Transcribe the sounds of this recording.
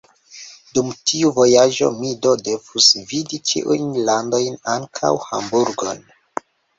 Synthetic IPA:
dumtʰiuvo̞jaʒo̞̰mido̞de̞v̥usvidit͡ʃḭʔṵjnlando̞jnaŋkʰa̰wha̰mbuɾɡo̞̰n

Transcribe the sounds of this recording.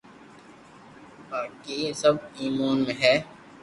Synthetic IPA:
paːkiesəb̚iːmuːnmẽɦɛː

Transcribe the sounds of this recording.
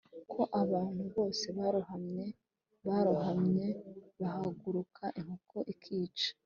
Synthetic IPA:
kʰo̞ʔaβaːn̥huβo̞ːse̞βaɾuhamɲe | βaɾuhamɲe̞βahaɡuɾukʰaʔiŋhukʰoʔikʰiːt͡ʃḁ

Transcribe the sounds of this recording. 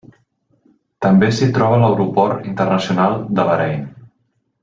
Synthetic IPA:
t̪əmbesit̪ɾɔβələwɾupɔɾint̪ərnəsiunalˠd̪əβəɾɛjn

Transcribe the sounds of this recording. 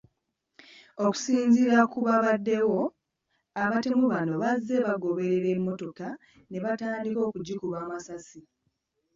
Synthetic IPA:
o̞ku̥siːɲziɾakuβaβadːe̞wo̞ | aβate̞muβano̞βazːe̞βaɡo̞βe̞ɾe̞ɾe̞mːo̞to̞ka | ne̞βataːndiko̞ːkuɟːukuβaːmasasi

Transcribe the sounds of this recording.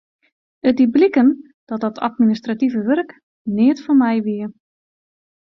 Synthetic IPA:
ət̚diblikən | d̥ɔt̚dɔtʰa̰tministrativəʋørk | nɪətfɔnmɛjʋiə

